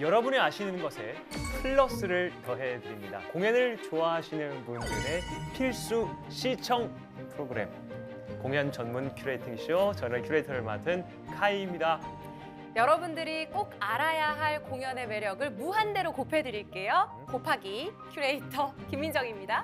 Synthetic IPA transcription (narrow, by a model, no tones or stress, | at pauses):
jʌɾʌbuniaɕʰinɯnɡʌsʰe̞ | pʰɯɭːʌs͈ɯɾɯɭtʌɦe̞dɯɾimɲida̰koŋenɯɭt͡ɕoaɦaɕʰinɯnpundɯɾe̞pʰiɭs͈u | ɕʰit͡ɕʰʌŋ | pʰɯɾoɡɯɾe̞̰m | koŋjʌnt͡ɕʌnmunkʰuɾeitʰiŋɕʰiot͡ɕʌnekʰuɾeitʰʌɾɯɭma̰tʰɯn | kʰaiːmɲida | jʌɾʌbundɯɾik͈oɡaɾajaɦaɭkoŋjʌne̞me̞ɾjʌɡɯɭmuɦande̞ɾokopʰe̞dɯɾiɭk͈e̞jo | kopʰaɡikʰjuɾe̞itʰʌkimːind͡ʑʌŋimɲida